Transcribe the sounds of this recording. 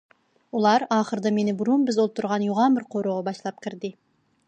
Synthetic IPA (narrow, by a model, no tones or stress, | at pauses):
ulˠɑɾɑːχəɾd̪ɑmenɪbuɾumbɪzolˠt̪ʰːuɾʁɑnjuʁɑnbɪɾqʰoɾuʁɑbɑʃlˠɑp̚kʲʰɪɾd̪ɪ